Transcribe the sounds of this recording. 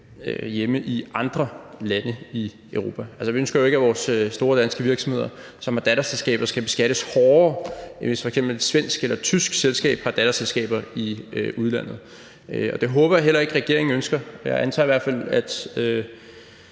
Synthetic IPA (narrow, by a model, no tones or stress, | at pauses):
øjeməʔiʔɑ̈nd̥ʁɐlænəi | øʊʁo̝ːpʰæælsəʋiønsɡ̥ɐjoe̝ɡ̥æʋɒːsøːd̥o̝ːɐd̥ænsɡ̥əʋiɐɡ̥sɒ̽mhe̝ð̞̰ˠɐ | sɒ̽mhɑ̈d̥æɾæselsɡ̥ɛ̰ːb̥ɐsɡ̥æb̥e̝sɡ̥æɾ̥əshɒːɐʋesfɒ̽eɡ̥sem̰b̥l̩ed̥sʋen̰sɡ̥elɐt͡sʰysɡ̥selsɡ̥ɛ̰ːb̥hɑ̈d̥æɾ̥æselsɡ̥ɛ̰ːb̥ɐiʔuð̞ˠlæn̰ð̞̩ˠ | øɒ̽d̥e̝ɦɔ̽ːb̥ɐɦel̰ɐe̝ɡ̥ʁɛɡ̥e̝ɐ̰e̝ŋ̩ønsɡ̥ɐjɑ̈ɪʔænt͡sʰɑ̰ːiʋæɐ̰d̥fæl̰æd̥ø